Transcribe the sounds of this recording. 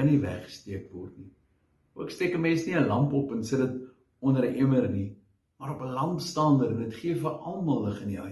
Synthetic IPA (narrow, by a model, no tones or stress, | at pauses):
ɐnivæ̰χə̥stiəkvɔrtni | uəkstɛkəmɛːsniəlɐmpɔpənsədət | ɔndəɾəʔeməɾni | mɐɾɔpəlɐmpstɑːndəɾəndətχiəfəʔɐlˠmɐlˠləχəniɐ̰